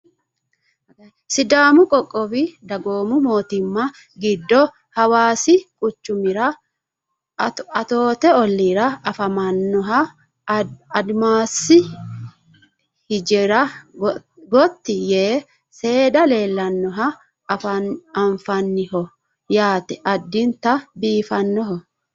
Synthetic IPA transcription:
sɪd̪aːmʊkʼɔkʼːɔbɪd̪ɐɡoːmʊmo̞ːt̪ɪmːɐ | ɡɪd̪ːɔ | hɐwaːsɪkʼʊt͡ʃːʊmɪɾɐ | ɐt̪o̞ːt̪ɛɔlːiːɾɐɐfɐmɐnːɔɦɐ | ɐd̪maːsɪ | hɪd͡ʒɛɾɐ | ɡɔt̪ːɪjeː | se̞ːᶑɐle̞ːlːɐnːɔɦɐ | fɐɐɱfɐnːɪhɔ | jaːt̪ɛʔɐd̪ːɪnt̪ɐbiːfɐnːɔɦɔ

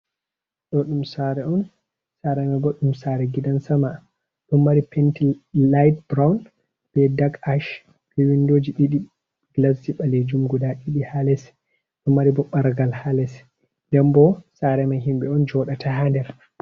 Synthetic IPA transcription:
ɗɔɗumsaɾɛʔɔn | saɾɛmɛbɔɗumsaɾɛɡidansama | ɗumːaɾipʰɛntilajt̚bɾawn | b̥ɛdaɡaʃ | kiwindoːd͡ʒiɗiɗi | ɡ̥lasd͡ʒiɓaled͡ʒumɡudaɗiɗihalɛsɛ | ɗumːaɾibɔɓaɾɡalhalɛs | dɛmbɔsaɾɛmaɦimɓɛɔnd͡ʒɔɗatʰaɦandɛɾ

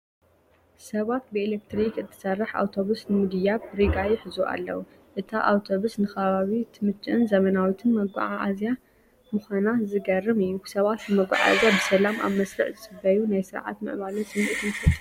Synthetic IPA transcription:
sɐβat̪̚bɨelek̚t̪ʰɾikɨt̪ʰːɨ̥sɐrːɨħa̰wt̪ʰo̞βusnɨmɨd̪ɨjabɾiɡajɪħɨzuʔa̰lːɐ̰wu | ʔɨt̪ʰaʔa̰wt̪ʰo̞βusnɨxɐβaβit̪ʰɨmɨt͡ʃːɨʔɨnzɐmɐnawit̪ʰɨnmɐɡʷa̰ʕaʔa̰zja | mɨxanazɨɡɐrɨmɨjːusɐβat̪nɨmɐɡʷa̰ʕa̰zijabɨsɐlama̰βmɐsɾɨ̰ʕzɨsɨbɐjunajsɨɾʕa̰t̪mɨ̰ʔβalunsɨmːiʔt̪ʰɨnfɐt̪ʼ

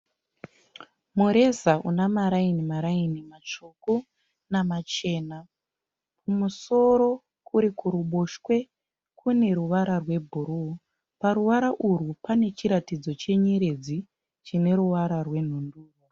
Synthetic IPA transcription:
muɾe̞zaṵnamaɾainimaɾainimat͡ʃoku | namat͡ʃe̞ːna | pumuso̞ɾo̞ | kuɾikuɾuɓoʃwe̞ | kʰune̞ɾuʋaɾarwe̞bʱuɾu | paɾuʋaɾaʔurupane̞t͡ʃiɾatid͡zo̞t͡ʃe̞ɲeɾe̞d͡zi | t͡ʃine̞ɾuʋaɾarwe̞n̤unduːro

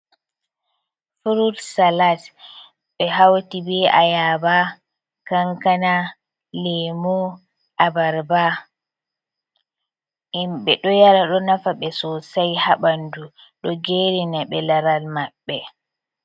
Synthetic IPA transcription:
fuɾuɾsalat | ɓɛɦawtibɛʔa̰jaba | kaŋkana | lɛmɔ | ʔabaɾba | imɓɛɗɔjaɾaɗɔnafaɓɛsɔsajhaɓandu | ɗɔɡeɾinaɓɛlaɾalmaɓːɛ

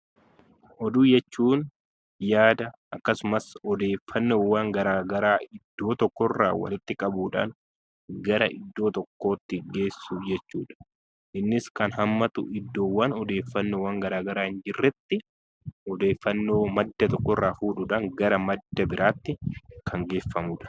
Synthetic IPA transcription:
ʔɔd̪uːd͡ʒɛt͡ʃːuːn | jaːd̪ɐʔɐkːɐsʊmɐsɔd̪e̞ːfːɐnːo̞ːwːaːŋɡɐɾaːɡɐɾaːɪd̪ːo̞ːt̪ɔkːɔrːa̰ːwɐ̰lɪt̪ːɪkʼɐbuːᶑa̰ːŋ | ɡɐɾɐʔɪd̪ːo̞ːt̪ɔkːo̞ːt̪ːɪɡe̞ːsːud͡ʒɛt͡ʃːuːᶑɐ̥ | ʔɪnːɪskɐnɦɐmːɐt̪ʊ̰ʔɪd̪ːo̞ːwɐnɔd̪e̞ːfːɐnːoːwaːŋɡɐɾaːɡɐɾaːhɪnd͡ʒɪrːɛt̪ːɪ | ɔd̪e̞ːfːɐnːo̞ːmɐd̪ːɐt̪ɔkːɔrːaːfuːᶑʊᶑɐŋɡɐɾɐmɐd̪ːɐbɪɾʔaːt̪ːɪkʰɐŋɡe̞ːfːɐmuːᶑɐ̥

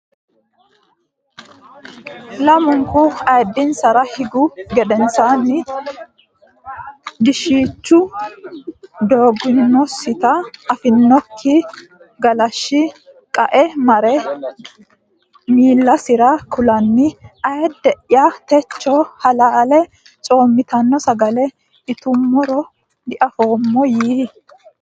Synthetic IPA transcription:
lɐmʊŋkʊɐjɛd̪ːɪnsɐɾɐhɪɡʊɡɛd̪ɛnsaːnːɪ | d̪ɪʃiːt͡ʃːʊ | d̪oːɡːɪnːɔsɪt̪ɐɐfɪnːɔkʰːɪ | ɡɐlɐʃːɪ | kʼɐʔɛmɐɾɛ | miːlːɐsɪɾɐkʊlɐnːɪɐjɛd̪ɛʔɪjat̪ɛt͡ʃːɔhɐlaːlɛ | t͡sʼo̞ːmːɪt̪ɐnːɔsɐɡɐlɛ | ɪt̪ʊmːɔɾɔ | d̪ɪʔɐfo̞ːmːɔjiː

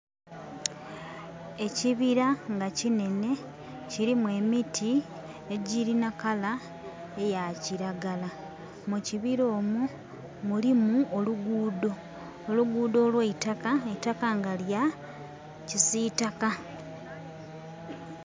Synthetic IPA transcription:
e̞ciβiɾaŋɡacine̞ne̞ | ciɾimwe̞ːmitʰi | eɟiɾinakala | e̞jaciɾaɡala | muciβiɾo̞ːmu | mulimuoluɡuːdo̞ː | luɡuːdo̞ːlweitakaetakaŋɡalja | cisitaka

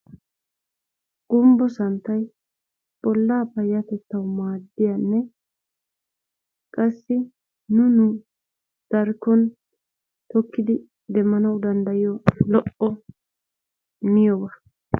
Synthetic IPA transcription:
ɡ̥ʊmbɔsɐnt̪ːɐj | b̥ɔlːaːpɐjɐt̪ɛt̪ːɐwmaːd̪ːɪjanːɛ | kʼɐsːɪ | nʊnʊ | d̪̥ɐɾkːɔn | t̪ɔkːɪd̪ɪ | d̪ɛmːɐnɐwd̪ɐnd̪ɐjɪjɔlɔʔɔ | mɪjɔbɐ

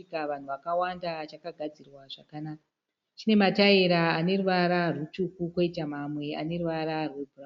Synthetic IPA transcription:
ikaʋan̤uʋakawandat͡ʃakaɡʱad͡zirwaʐakanak | t͡ʃine̞mataiɾaːne̞ruʋaɾarwut͡ʃukukwo̞itamamwe̞a̰ne̞ɾuʋaɾarwe̞bʱura

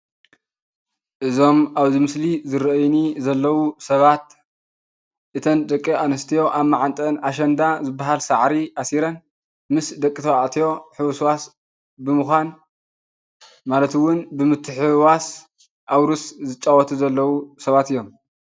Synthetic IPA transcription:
ʔɨzo̞maβzɨmɨslizɨɾʔjnizɐlːɐwusɐβat̪ | ʔɨt̪ʰɐnd̪ɐkʼːianɐst̪ʰijo̞ʔaβmaʕant̪ʼɐnaʃ̬ɐnd̪azɨbːaɦalsaʕɾiasiɾɐn | mɨsd̪ɐkʼːit̪ʰɐwaʔt̪ʰijo̞ħɨwswas | bɨmɨxʷan | malɐt̪wʊnbɨmɨt̪ʰːɨħɨwas | ʔawɾuszɨt͡ʃʼːawɔt̪ʰuzɐlːɐwusɐβat̪ɨjːo̞m

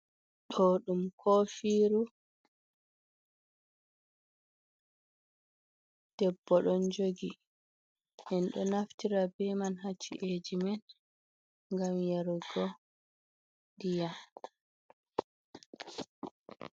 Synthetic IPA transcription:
ɗɔɗumkʰɔfiːɾu | d̥ɛbːɔɗɔnd͡ʒoɡi | hɛnɗɔnaftiɾabɛmanɦat͡ʃːḭʔed͡ʒiman | ŋɡamjaɾɡɔ | ndija

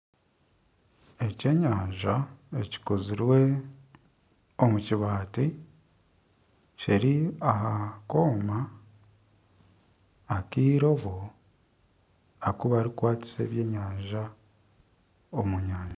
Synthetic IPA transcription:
e̞ce̞ːɲaːɲʒae̞ci̥koziɾwe̞ | omuciβaːti | ciɾiahako̞ːma | kiːɾo̞βo | akuβaɾikwaːt͡si̥se̞̰ːβje̞ːɲaːɲʒa | omuɲaːɲa

